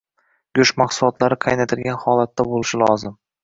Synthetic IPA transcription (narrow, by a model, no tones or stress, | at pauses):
ɡʲʊʃmɑqsʊlˠɒt̪laɾɪqʰɑjnat̪ʰɪlɡʲanhɒlat̪ːabolɪʃɪlɒzɪm